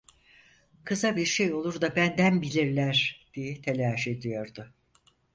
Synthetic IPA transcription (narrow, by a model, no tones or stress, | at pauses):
kʰɯzabiɾʃejo̞lˠuɾd̪abænd̪ænbilʲiɾlʲæɾ̥d̪̥ijɛt̪ʰelʲaːʃe̞d̪ijo̞ɾd̪ʊ